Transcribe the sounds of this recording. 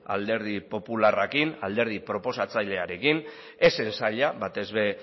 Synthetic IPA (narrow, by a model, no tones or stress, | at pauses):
a̰ld̪e̞ɾð̞ipo̞pularakinald̪e̞ɾð̞ipɾo̞po̞sat͡sajʎe̞aɾe̞kin | e̞se̞nsaʎaβat̪e̞zβe̞